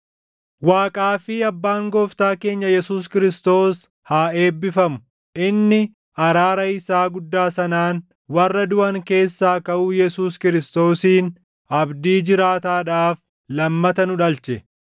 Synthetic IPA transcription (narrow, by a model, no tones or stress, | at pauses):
waːkʼaːfɪɐbːaːŋɡɔːft̪aːke̞ːɲːɐjɛsuːskɪɾɪst̪o̞ːs | haːe̞ːbːɪfɐmʊ̥ | ʔɪnːɪ | ɐɾaːɾɐɪsaːɡʊd̪ːaːsɐnaːn | wɐrːɐd̪ʊɐŋke̞ːsːaːkɐʔuːjɛsuːskɪɾɪst̪o̞ːsiːn | ɐbd̪iːd͡ʒɪɾaːt̪aːᶑaːf | lɐmːɐt̪ɐnʊᶑɐlt͡ʃɛ